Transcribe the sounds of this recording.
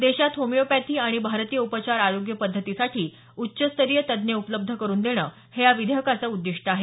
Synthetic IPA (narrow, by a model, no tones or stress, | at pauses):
d̪eɕat̪ɦomijopæt̪ʰiːaɽ̃ibʱaɾt̪iːjəupət͡ɕaɾaɾoɡjəpəd̪ʱːət̪isaʈʰiː | utːɕəst̪əɾijət̪əd̪njeupələb̚d̪ʱəkəɾuːnd̪eɽ̃əː | hejaʋid̪ʱjəkat͡səud̪ːiʂʈəaɦe